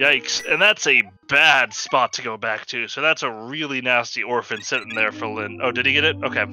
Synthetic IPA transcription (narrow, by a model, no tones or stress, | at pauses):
jaɪksɨ̃nðætsɨ | b̥æd̥spɑtʰɨɡoʊbæk̚tʰʉsoʊðætsəɹɪlˠinæstiɔɹfɨ̃nsɪɾɪ̃n̩ðə˞fɪlˠɪ̃no̰ʊdɨdiɡɛɾɨt̚oʊkʰeɪ